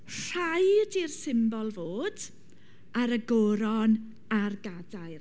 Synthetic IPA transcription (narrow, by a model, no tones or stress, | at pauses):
r̥ajdirsɪmbɔlˠvoːd | aɾəɡoɾɔn | arɡadajr